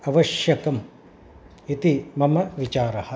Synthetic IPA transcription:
ɐʋɐʃjɐkɐm | it̪imɐmɐʋit͡ʃaːɾɐhɐ̆

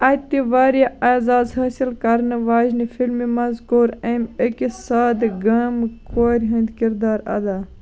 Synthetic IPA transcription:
ɐt̪iʋaːɾijaaːzaːzhaːsilkɐɾnɨʋaːznifilmimɐzkoːɾɐmekisaːd̪ɡɐmkʰoːɾʲɦɐ̃nd̪kiɾd̪aːɾɐ̰d̪aː

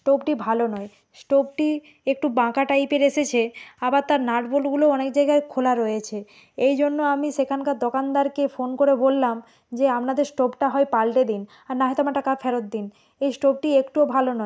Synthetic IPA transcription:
sʈobʈibʱalonɔe | sʈob̚ʈi | ek̚ʈubãkaʈajpeɾeʃet͡ɕʰeabaɾt̪aɾnaʈbolɡuloɔnekd͡ʑajɡaekʰolaɾɔjet͡ɕʰe | ejd͡ʑonːoamiʃekʰankaɾd̪okand̪aɾkefonkoɾebolːam | d͡ʑeamnad̪eɾsʈobʈaɦɔepalʈed̪in | aɾnaɦɔjt̪oamaʈakaɾfɛɾot̪̚d̪in | ejsʈob̚ʈiekʈuobʱalonɔe

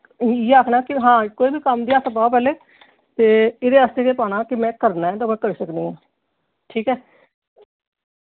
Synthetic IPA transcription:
iaːkʰnaːkɪɦãːkoːiːbiːkəmd̪iːaːsəpaːp̬ɛːleː | t̪eːɪd̪eːaːst̪eːk̪eːpaːnãːkɪmɛ̃ːkəɾnaːɛ̃ːd̪aːmɛ̃ːkəɾiːsəkd̪iːãː | ʈʰiːkɛː

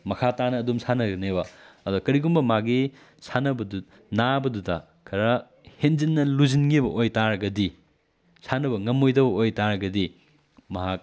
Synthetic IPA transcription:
mɐkʰatanɐːdumsʰanɐɡɐnebɐɐduɐkɐɾiɡumbɐmaɡi | sʰanɐbɐdu | nabɐdudɐ | kʰɐɾɐ | henzinːɐluzinɡibɐʔojtaɾɐɡɐdi | sʰanɐbɐŋɐmojdɐbɐojtaɾɐɡɐdi | mɐɦak̚

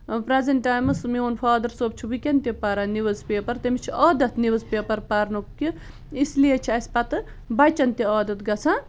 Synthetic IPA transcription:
pɾezɐnʈaːjmɐsmionfʰaːd̪ɐɾsoːp̚t͡ʃʰuʋikʲɐnt̪ipɐɾaniʋɨzpeːpɐɾt̪emit͡ʃʰiɔːd̪ɐt̪ʰniʋɨzpeːpɐɾpɐɾnukki | islijet͡ʃʰiɐspɐt̪ɨ | bɐt͡ʃɐnt̪iɔːd̪ɐt̪ɡɐt͡sʰã

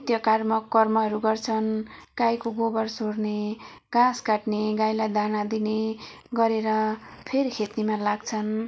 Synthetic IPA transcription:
it̪jʌkarmʌkːʌrmʌɦʌɾuɡʌrt͡sʰʌnɡajkoɡobʌrsorne | ɡ̥ãskaʈneɡajlajd̪ʱanad̪ineɡʌɾeɾʌpʰeɾikʰet̪imalaɡt͡sʰʌn

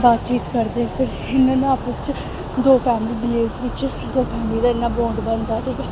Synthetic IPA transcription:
baːt̪t͡ʃiːt̪kəɾd̪eːpʰɪɾ | ɪnːãːñːaːpəst͡ʃ | d̪oːpʰɛːmliːbiːeːsʋɪt͡ʃ | d̪oːpʰɛːmliːd̪aːɪnːãːbõːɳɖbənd̪aːʈʰiːkɛː

